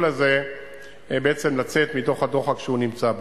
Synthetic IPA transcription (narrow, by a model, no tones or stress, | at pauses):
laze̞ | beet͡se̞mlat͡se̞t̪mit̪o̞χhad̪o̞χakʃeunimt͡sab